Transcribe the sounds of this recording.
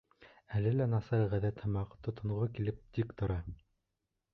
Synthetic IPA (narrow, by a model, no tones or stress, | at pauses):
ælɘlænɑsɑɾʁæðæt̪hɤ̆mɑqt̪ŏt̪ŏɴʁokilɘp̚t̪ikt̪ŏɾɑ